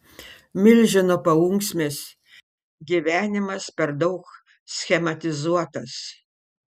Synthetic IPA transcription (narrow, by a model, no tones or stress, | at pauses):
mʲɪlʲʒʲɪnopɐuŋksʲmʲeːs | ɡʲiʋʲæːnʲɪmɐspʲɛɾd̪ɐʊk | sʲxʲɛmɐt̪ʲɪzuɔt̪ɐs